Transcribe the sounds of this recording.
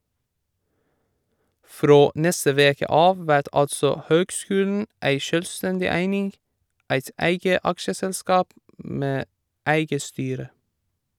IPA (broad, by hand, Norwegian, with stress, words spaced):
ˈfɾoː ˈnɛstə ˈʋeːkə ˈɑːʋ ˈʋæɾt ˈɑltsɔ ˈhøːɡˌskʉːln̩ ˈæɪ ˈʃøːlˌstɛndɪ ˈæɪnɪŋ ˈæɪt ˈæɪɡə ˈɑkʃəsɛlˌskɑːp ˈmeː ˈæɪɡə ˈstyːɾə